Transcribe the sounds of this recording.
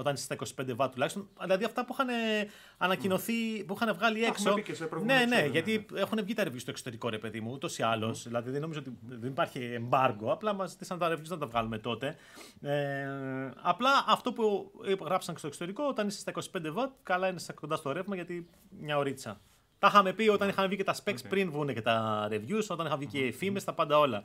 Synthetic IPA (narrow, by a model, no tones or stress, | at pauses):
o̞t̪ɐnise̥st̪ɐiko̞si̥pend̪evɐt̪ulɐçist̪o̞nðilɐðiɐft̪ɐpuixɐne | ɐnɐcino̞θipuixɐnevɣɐlieksospɾone̞neʝɐt̪iexunevʝit̪ɐɾevʝist̪osot̪eɾiko̞ɾe̞pe̞ðimuut̪o̞siɐlo̞sðilɐðiðenoizoot̪iðenipɐɾçiːmbɐɾɡo̞ɐplɐmɐzit̪isɐnɐt̪ɐɾevʝiznɐt̪ɐvɣɐlume̞t̪o̞t̪e̞ | e | ɐplɐʔɐft̪o̞pupɣɾɐpsɐŋcest̪oeksot̪eɾiko̞ot̪ɐnise̥st̪ɐiko̞si̥pend̪evɐt̪̚kɐlɐinesɐko̞nd̪ɐst̪o̞ɾevmɐʝɐt̪i | mɲɐoɾit͡sɐ | t̪ɐxɐme̞pio̞t̪ɐnixɐmevʝicet̪ɐspekt͡spɾinvɣunecet̪ɐɾe̞vʝuso̞t̪ɐnixɐmʝicefimest̪ɐpɐnd̪ɐo̞lɐ